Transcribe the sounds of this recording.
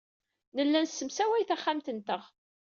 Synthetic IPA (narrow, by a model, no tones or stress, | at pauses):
nəlːænsːəmsæwæjθæχːamt̪ənt̪əʁ